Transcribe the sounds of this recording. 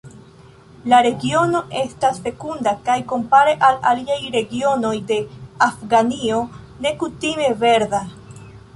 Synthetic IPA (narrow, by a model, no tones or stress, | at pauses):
laɾe̞ɡio̞no̞ʔe̞stasfe̞kundakajko̞mpaɾe̞ʔalaliajɾe̞ɡio̞no̞jde̞afɡanio̞ | ne̞kutime̞ve̞ɾda